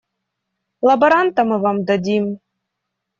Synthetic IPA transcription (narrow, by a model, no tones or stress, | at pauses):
lˠɐbɐɾant̪amɤvɑmd̪ad̪ʲim